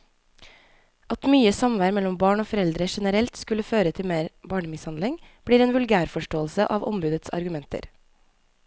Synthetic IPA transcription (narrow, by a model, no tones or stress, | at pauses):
ʔɑt̪myːəsɑmʋæɾmɛlɔmbɑːɳoːfɔɾɛld̪ɾəʃɛnəɾɛlt̪skʉləføːɾət̪ʰɪlmeːɾbɑːɳəmɪshɑnd̪ɪŋb̥ɽiːɾeːnʋʉlɡæːɾfɔʃʈoːlsəʔɑːʋɔ̰mbʉːd̪ət̪sɑ̰ɾɡʉmɛnt̪ə̰ɾ